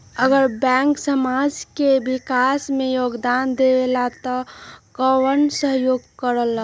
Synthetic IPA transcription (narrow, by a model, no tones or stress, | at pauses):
əɡəɾbɛ̃ːŋksəmad͡ʒkebikasmẽjoːɡd̪and̪elat̪ɔkəwənsəɦjoɡkəɾəla